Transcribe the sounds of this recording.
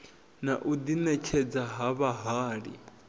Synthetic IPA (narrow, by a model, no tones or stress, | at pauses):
naʔud̪inɛt͡ʃʰɛd͡zaɦaβaɦaːɺḭ